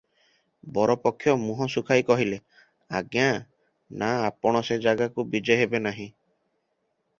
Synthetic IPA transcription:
bɔɾɔpɔkʰːjɔmuɦɔsukʰajkɔɦile | a̰ɡjã | naːpɔɽ̃ɔsed͡ʒaɡakubid͡ʒɔjɦebenaɦĩ

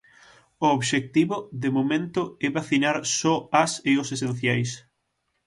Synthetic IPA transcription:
ooβʃek̚t̪iβʊðɪmomẽnt̪ʊɛβaθinaɾsɔaseʊsesẽn̟θjajs

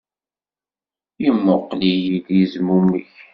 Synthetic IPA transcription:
jəmːʊqːlijiljizmumə̰ç

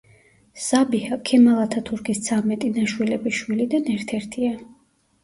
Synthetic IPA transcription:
sabihakʰɛmalˠat̪ʰat̪ʰuɾkʰist̪sʰamɛt̪ʼinaʃwilɛbiʃwilid̪anɛɾt̪ʰɛɾt̪ʰia

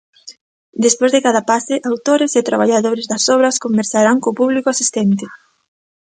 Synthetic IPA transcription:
d̪espozðɪkaðɐpasɪʔawt̪oɾɪset̪ɾaβ̞aʎaðoɾezðɐsɔβɾɐskombeɾsaɾaŋkoːpuβlikoasist̪ɛnt̪ɪ

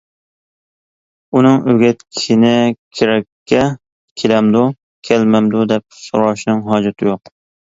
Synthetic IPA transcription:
unɨŋʔøɡʲɛt̪̚kʲʰi̥ʃɪnɪkʲʰɪɾɛkʲʰːɛ | kʲʰelɛmd̪ʊ | kʲʰɛlmæmd̪ʊd̪ɛp̚so̰ɾɑʃnɨŋɦɑːd͡ʒɔt̪ʰɪjoq

